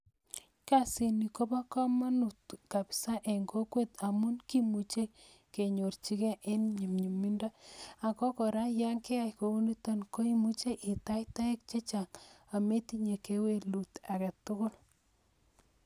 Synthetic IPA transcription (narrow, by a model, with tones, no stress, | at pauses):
ka˦si˨ni˨ko˦ba˦kɔ˦ma˦nu˨tka˨bi̥˨sa˦ʔe˨ŋɡo˦kwe˦t̪a˨mʊ˦nki˦mu˨t͡ʃe˦ | ke˨ɲo˨rt͡ʃi˦kɛ˦ʔe˦nɲi˨mɲɲi˨mi˦nda˦a˨kɔ˦kɔ˨ɾa˦ja˦ŋke˦a˦jko˨u˦ni˦ta˦nko˦i˦mu˦t͡ʃe˦ʔɪ˨ta˦jta˦e˦k̚t͡ʃe˦t͡ʃa˨ŋa˨me˦ti˦ɲe˨ke˦we˦˨lu˨ta˨ka˨tʊ˦kʊ˦l